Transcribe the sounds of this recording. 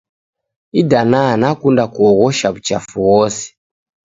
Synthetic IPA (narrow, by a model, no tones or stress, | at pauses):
idananakundakuɔɣɔʃaβut͡ʃa̰fuwɔːse̥